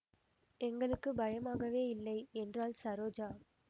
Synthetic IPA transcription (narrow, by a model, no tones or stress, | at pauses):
ɛŋɡɐɭɯkːɯbɐjɐmaːɣɐʋeːɪlːɐɪɛndraːlsɐɾoːd͡ʒaː